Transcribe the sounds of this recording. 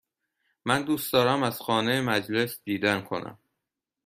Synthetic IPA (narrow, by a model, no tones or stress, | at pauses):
mænd̪uːsd̪ɒːɾæmæz̥xɒːnejemæd͡ʒle̞sd̪̥iːd̪ænkʰo̞̰næ̰m